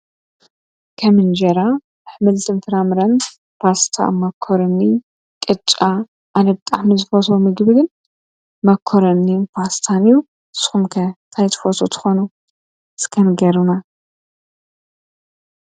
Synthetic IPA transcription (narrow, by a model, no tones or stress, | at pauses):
kʰɐmɨnd͡ʒɐɾa | ħmɨlt̪ʰɨnfɨɾamɨɾɐn | past̪ʰa̰mɐkʰːoɾɐnːi | kʼɨt͡ʃʼːa | ʔanɐbɨt̪ʼaħmɨzɨfot̪ʰomɨɡbɨɡɨn | mɐkʰːoɾɐnːipʰast̪ʰanju | sɨ̥xumkʰɐt̪ʰajt̪ʰɨ̥fot̪ʰot̪ʰɨ̥xonu | skʰɐnɡɐɾuna